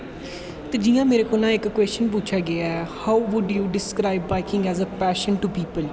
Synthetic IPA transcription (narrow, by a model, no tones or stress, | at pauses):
t̪ed͡ʒiːjãːmeːɾekonãːɪkːwɛːst͡ʃənp̬uːt͡ʃʰaːɡeaɛːhaːʊʋʊɖjuːɖɪskɾaːɪbːaɪkɪ̃ŋɡɛːzəpɛːʃənʈupiːpəl